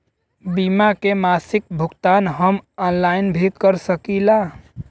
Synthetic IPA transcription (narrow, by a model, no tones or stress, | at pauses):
bimakemasik̚bʱukt̪anɦəmɔnlainbʱikəɾsəkila